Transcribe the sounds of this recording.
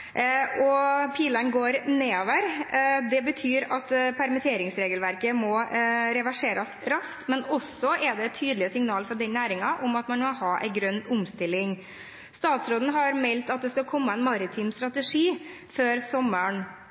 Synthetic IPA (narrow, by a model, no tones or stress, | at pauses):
ʔɔpʰiːlənɡoːɾneːoːʋəɾd̪ɛbət̪ʰyːɾɑt̪pʰæɾmɛt̪ʰeːɾɪŋsɾeːɡəlʋæɾkəmɔɾɛʋæʂeːɾəsɾɑsk̪mɛnɔsːɔʔɛɖ̪ɛɛt̪ʰːyːd̪lɪəsɪŋnɑːlfɔɖɛnnːæːɾɪŋɑʔʊmɑt̪mɑnmɔhɑːʔɛ̰ɪɡɾœnːʊmst̪ɪlːɪŋ | st̪ɑːt̪sɾoːd̪n̩ɦɑɾmɛlt̪ɑt̪̚d̪ɛskɑkʰɔmːəɛnmɑɾɪt̪ʰiːmst̪ɾɑt̪əʂiː | føːɾsɔmːəɳ